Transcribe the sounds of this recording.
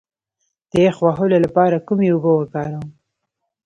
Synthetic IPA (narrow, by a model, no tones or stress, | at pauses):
d̪̥əexwaɦololapɑɾakumeubəwəkɑɾawm